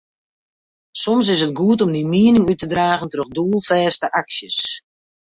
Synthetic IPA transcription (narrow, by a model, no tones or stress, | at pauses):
sɔms̬ɪsət̚ɡuətɔmdimiənɪŋytədraːɣəntərøxduːəlˠfɛːstəʔaksjəs